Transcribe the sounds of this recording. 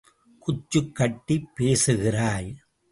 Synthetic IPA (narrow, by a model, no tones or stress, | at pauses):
kʊt͡ʃːɯkːɐʈːipːeːsɯɣɪraːj